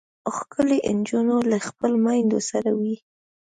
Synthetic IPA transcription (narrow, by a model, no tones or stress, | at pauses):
oxkʰəleʔɪnd͡ʒunolaxpəlmɑjnd̪o̰saɾawi